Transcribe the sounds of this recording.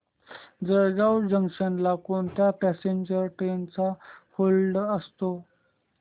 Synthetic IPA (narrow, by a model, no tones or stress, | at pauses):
d͡zəɾɡawd͡ʑəŋʂənlakont̪japæseɲd͡ʑəɾʈent͡saholɖəst̪o